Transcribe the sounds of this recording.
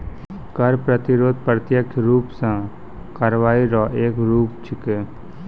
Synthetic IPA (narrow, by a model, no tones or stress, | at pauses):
kəɾpɾət̪ɪɾoːd̪̚pɾət̪jəkʰɾuːpsã | kaɾʋaːiɾɔːʔeːkɾuːpt͡ʃʰɪke